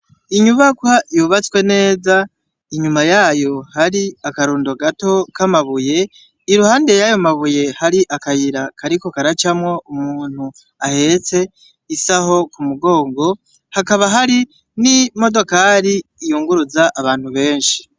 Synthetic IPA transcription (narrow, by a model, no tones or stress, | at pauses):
iɲuβakwajoβat͡swe̞ne̞ːza | iɲumajaːjo̞haɾiakaɾuːndo̞ɡato̞kamaβuje̞ | iɾuhaːnde̞jajo̞maβuje̞haɾiʔakajiɾakʰaɾiko̞kaɾat͡ʃamŋo̞umuːn̥hu | ahe̞t͡se̞ | isaho̞kumuɡo̞ːŋɡo̞ | hakaβaɦaɾi | nimo̞do̞kaɾiːjuːŋɡuɾuzaʔaβaːn̥huβe̞ːnʃi̥